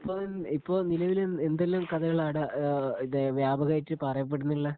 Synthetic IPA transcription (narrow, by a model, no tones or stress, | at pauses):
ipːoːnipːo̞ːnilɐʋileend̪elːɐmkɐðɐjɐɭːɐɽɐiðɨʋjaːbʱɐɣɐjitːɨpɐrɐjɐp̬ːe̞ɽunːiɭːɐ